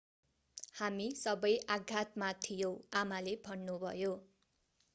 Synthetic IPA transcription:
hamisʌbʌjʔaɡʱat̪mat̪ʰijow̃amalebʱʌnːubʱʌ̰jo

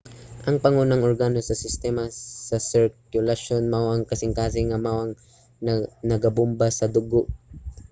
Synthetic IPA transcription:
ʔɐŋpɐŋunaŋʔoɾɡaːnosɐsɪst̪ɛːmɐsɐsɪɹkjʊlɐʃonmawɐŋkɐsɪŋkaːsɪŋɐmawɐŋ | nɐɡɐbʊmbasɐd̪ʊɡoʔ

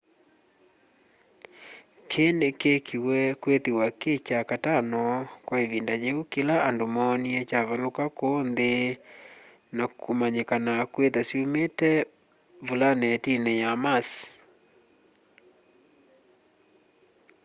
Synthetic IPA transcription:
kʰenekekʰiwɛkwetiwaket͡ʃakatanɔkwaeβindad͡ʒeukelaandomɔːniɛt͡ʃaβalokakonde | nakʰumaɲekanakwetasjometɛ | vulanɛtinejamas

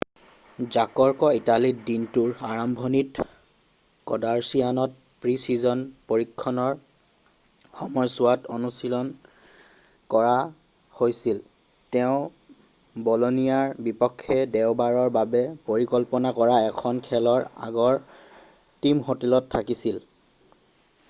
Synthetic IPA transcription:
zakɔɹkɔitalidintuɹaɹambʱɔnit | kɔ̰daɹsianɔt̚ | pɹisizɔnpoɹikʰːɔnɔɹ | xɔmɔjsʊatonusilɔn | kɔɹa | hojsil | tɛʊ̃ | bɔloniaɹbipɔkʰːɛdɛʊbaɹɔɹbabɛpoɹikɔlpɔnakɔɹaɛkʰɔnkʰɛlɔɹa̰ɡɔɹ | timɦotilɔtʰːakisil

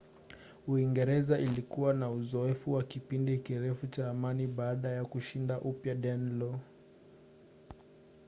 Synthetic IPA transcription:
uiŋɡɛɾɛzaʔilikuwanauzɔɛfuwakipindikiɾɛfut͡ʃaːmaniɓaaɗajakuʃindaʔupjaɗɛnlɔ

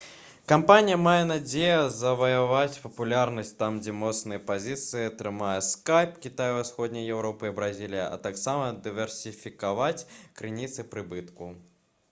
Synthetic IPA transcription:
kampanʲijɐmajɛnad͡zʲejɐzɐvɐjavat͡sʲpɐpulʲarnɐsʲtʲt̪amd͡zʲɛmɔt̪snɨjɐpazʲit̪sɨjɐɐt̪ɾɨmajɛskajpkʲit̪ajuwasxɔd̪̚ʲnʲɐjjɛwɾɔpɨibɾazʲilʲijɐ̰ʔɐ̰t̪aksamɐd̪ɨvʲɛrsʲifʲikavat͡sʲkɾɨnʲit̪sɨpɾɨbɨt̪ku

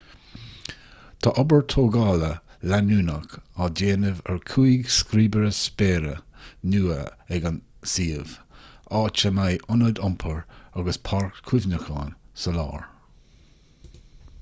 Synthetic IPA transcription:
t̪ʰaʔɔbəɹt̪ʰoːɡɑːləlanuːnəkɑːdeːnəvɛɹkʰuiɡskɾiːbəɾəspeːɾə̰nuːə̰ɛɡansiːəv̥ɑːt͡ʃəmajʔʊnəd̪ʊmpʰəɹaɡəspʰaɹkkʰʊvnəxɑːnsəlɑ̰ːɹ

